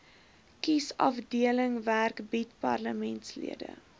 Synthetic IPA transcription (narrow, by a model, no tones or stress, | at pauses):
kisɐfdiələŋværkbitpɐrləmɛntslḭədə̰